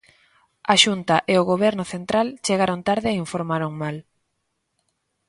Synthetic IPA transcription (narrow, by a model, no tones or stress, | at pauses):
aʃunt̪aʔeoɣoβ̞ɛɾnʊθent̪ɾalt͡ʃeɣaɾont̪aɾðɪiɱfoɾmaɾoŋmal